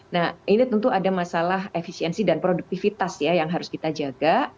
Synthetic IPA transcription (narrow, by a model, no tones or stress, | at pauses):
nahʔinit̪ənt̪uadamasalaɦefisiɛnsidanpɾoduk̚t̪ifit̪asjajaŋɦaɾʊskit̪ad͡ʒaɡa